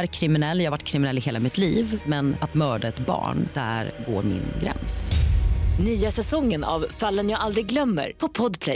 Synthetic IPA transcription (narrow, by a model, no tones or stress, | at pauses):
ɾkʰɾɪmɪnɛlːjɑːhavaʈːkʰɾɪmɪnɛlːɪheːlamɪt̪liːvmɛnat̪mœːɖaɛt̪bɑ̰ːɳd̪̥æ̰ɾɡoːɾmɪ̰nɡɾɛ̰ns | nyːasɛsɔŋːəna̰vfalːənjaːɡald̪ɾɪɡlœmːə̰ɾpʰɔpʰɔd̪pʰlɛ